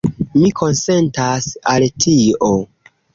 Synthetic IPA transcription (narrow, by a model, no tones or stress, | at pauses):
mikʰo̞nse̞ntasaltʰio